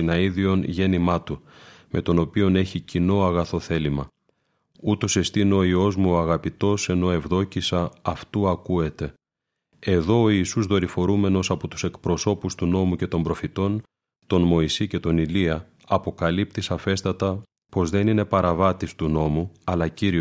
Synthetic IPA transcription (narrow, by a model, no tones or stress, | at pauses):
inɐiðio̞nʝe̞nimɐt̪umʔe̞t̪o̞no̞pio̞ne̞çicino̞ɐɣɐθo̞θe̞limɐ | ut̪o̞se̞st̪ino̞io̞zmuoɐɣɐpit̪o̞se̞no̞e̞vðo̞cisɐːft̪uɐkue̞t̪e̞ | e̞ðo̞oisuzðo̞ɾifo̞ɾume̞no̞sɐpo̞t̪u̥se̞kpɾo̞so̞pust̪uno̞muce̞t̪o̞mbɾo̞fit̪o̞n | t̪o̞nmo̞isice̞t̪o̞niliɐ | ɐpo̞kɐlip̚t̪isɐfe̞st̪ɐt̪ɐ | po̞zðe̞nine̞pɐɾɐvɐt̪ist̪uno̞muɐlɐciɾi